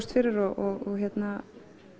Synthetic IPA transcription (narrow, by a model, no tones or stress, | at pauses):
st̪fɪɾɪɾɔʔɔɣɔɣçjɛt̪na